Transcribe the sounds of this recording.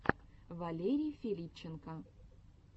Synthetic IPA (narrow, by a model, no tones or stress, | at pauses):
valʲeɾʲijfʲilʲip̚t͡ɕenkɑ